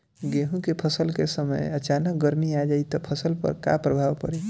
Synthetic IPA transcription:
ɡeɦũkepʰəsəlkesəmə̰jət͡ʃanək̚ɡəɾmiad͡ʒait̪ɔpʰəsəlpə̰ɾka̰pɾəbʱawpəɾe

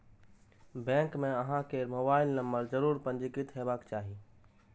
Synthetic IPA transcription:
bɛ̃ːŋkmẽəɦãkemoːbaːɪlnəmbəɾd͡ʒəɾuːɾpə̃nd͡ʒɪkɪt̪ɦebaːkt͡ʃaːɦi

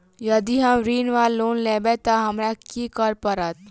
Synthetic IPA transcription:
jɐd̪iɦɐmɾiːnʋaːlːoːnleːbet̪ɐɦɐmɾakikəɾpɐɾat̪̚

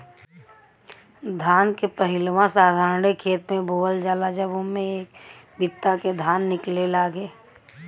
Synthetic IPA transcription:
d̪ʱaːnkepəɦɪlwãsaːd̪ʱaːɾnekʰeːt̪mẽbʱoːəld͡ʒaːlad͡ʒəbʊnmẽeːk | bɪt̪ːaked̪ʱaːnːɪklelaːɡeː

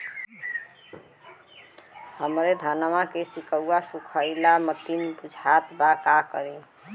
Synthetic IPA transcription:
həmɾed̪ʱənmakesikəwːasukʰəɪlamət̪inbud͡ʒʱat̪bakakəɾi

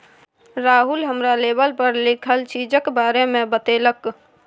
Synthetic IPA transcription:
ɾaɦulɦəmɾalebəlpəɾlikʰəlt͡ʃid͡ʒəkbaɾemebət̪elək

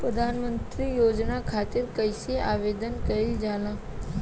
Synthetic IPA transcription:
pɾəd̪ʱaːnmə̃nt̪ɾijoːd͡ʒnakʰaːt̪ɪɾkəjseaːʋeːd̪ənkɐɾid͡ʒaːlã

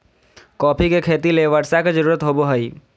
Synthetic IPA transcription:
kɔːpʰikekʰeːt̪ileʋɐɾsaked͡ʒəɾuːɾət̪ɦoːboɦɐiː

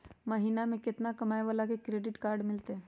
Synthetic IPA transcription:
mɐɦiːnamẽkɪt̪nakɐmaːeʋaːlakekɾeːɖɪʈkaːɾɖmɪlt̪eɦɛ̃ː

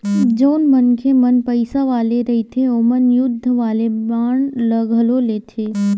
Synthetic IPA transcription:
d͡ʒəʊnmənkʰemənpəɪsaʋaːleɾəit̪ʰeomənjʊd̪ʱːəʋaːlebaːɳ̃ləɡʱəloleːt̪ʰeː

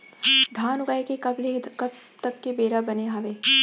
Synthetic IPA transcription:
d̪ʱaːnʊɡaːjkekɐblekɐb̚ | t̪ɐkːebeːɾabɐneɦaʋeː

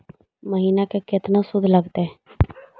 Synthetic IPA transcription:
məɦiːnakekɪt̪nasʊd̪ʱləɡt̪eɛː

